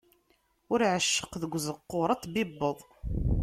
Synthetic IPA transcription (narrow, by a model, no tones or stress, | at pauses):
ʊɾʕəʃːə̥qðəɡʷzəqːoɾˤæt͡sːbibːəðˤ